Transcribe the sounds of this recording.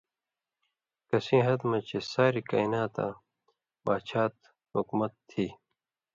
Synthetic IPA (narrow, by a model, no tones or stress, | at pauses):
kɐsĩːɦɐd̪mɐt͡ɕesaːɾika̰ːinaːt̪ã̰ | baːt͡ɕʰaːt̪ | hukmɐt̪ʰːiː